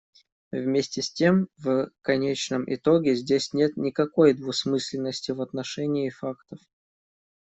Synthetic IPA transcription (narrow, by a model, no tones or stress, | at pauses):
vmʲesʲtʲɪsʲtʲe̞mvkɐnʲet͡ɕnəmʔɪ̰t̪o̞ɡʲɪzʲdʲesʲnʲe̞t̪nʲɪkɐko̞jd̪vʊsmɨsʲlʲɪnːəsʲtʲɪvɐt̪nɐʂɛnʲɪːfakt̪əf